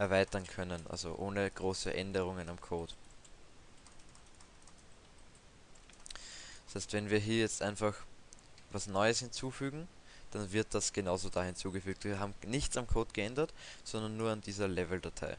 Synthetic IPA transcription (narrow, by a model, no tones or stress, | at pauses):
ʔɛɐvaɪtɐnkʰœnənʔa̰lzo̰ʔoːnəɡ̥ʁoːsə̰ʔɛndəʁ̞ʊŋənamkʰoːt | d̥shɛɪstv̥ɛnviːɐɦiːɐjɛt͡stʔa̰ɪnfaxvasnɔʏəshɪnt͡suːfyːɡŋ̩d̥anvɪɐt̚d̥asɡ̥ənaʊzodahɪnt͡suːɡəfyːk̚tviːɐɦaːbm̩nɪçt͡samkʰoːtɡ̥əʔɛndɐtsɔndɐnːuːɐandiːzɐlɛvl̩datʰa̰ɪ